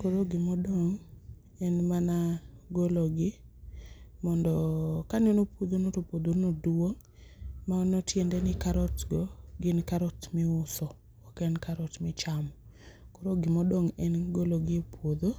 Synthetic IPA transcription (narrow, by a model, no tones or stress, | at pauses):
koɾoɡɪmɔdɔŋ | ɛnmanaɡoloɡɪ | mɔndɔkanonopwod̪onotopod̪onodwoŋ | manɔtjendɛnɪkaɾɔtɡɔɡɪnkaɾɔtmɪʊsɔ | ɔkɛnkaɾɔtmɪt͡ʃamɔ | koɾoɡɪmɔdɔŋɛnɡoloɡɪepwod̪o